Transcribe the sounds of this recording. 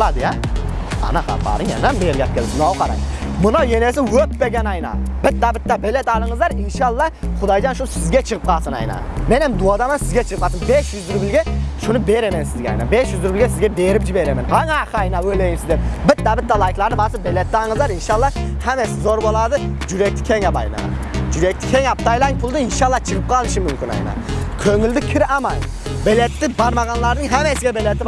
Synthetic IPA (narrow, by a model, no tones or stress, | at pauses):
lˠɑd̪ɨjɛ | ɑ̰nɑχɑ̰bɑ̰ɾɨŋjɛ̰nɛmbeɾɡʲɛp̚kʲʰelnɑwqʰɑɾɑ̰ŋ | mʊnɑwjenesɪwøpbeɡʲɛnɑjnɑ̰bɪt̪ːæbɪt̪ːɛbelɛt̪ɑlˠəɴɨzlˠɑɾɪnʃɑlˠːɑχʊd̪ɑjd͡ʒɑnʃuʊsɪzɡʲɛt͡ʃʰəʁəp̚qʰɑlˠsɨnɑ̰jnɑ̰ | menɛmd̪uɑd̪ɑmɑnsɪzɡʲɛt͡ʃʰəpɑsɨmbeʃjyzd̪yɾbɪlɡʲɛʃunɨbeɾɛmɛnsɪzɡʲɛɑ̰jnɑ̰beʃjyzd̪yɾbɪlɡʲɛsɪzɡʲɛbeɾɪpʒibeɾɛmɛnɑŋɑqɑjnɑwølejimsɪzd̪ep̚bɪt̪ːæbɪt̪ːɛlˠɑjkʲlˠɑɾnɨbɑsɨbelɛt̪ːɪɑŋɯzɑɾinʃɑlˠːɑhɛmɛsɪzoɾbolˠɑd̪ɨd͡ʒyɾɛk̚t̪ʰɪ̥kʲʰeŋɑbɑjnɑ̰d͡ʒyɾɛk̚ʲt̪ʰɪkʲʰeŋɑp̚t̪ʰɑjlˠɑŋpʰʊlˠd̪ɨinʃɑlˠːɑt͡ʃʰɨʁɨp̚qʰɑlˠɨʃimːymkʲʰynɑ̰jnɑ̰kʲʰøŋylʲd̪ɪkʲʰiɾɑmɑn | belɛt̪ːɪbɑɾmɑʁɑnlˠɑɾnɨŋɦɛmɛsɪɡʲɛbelɛt̪ʰɪb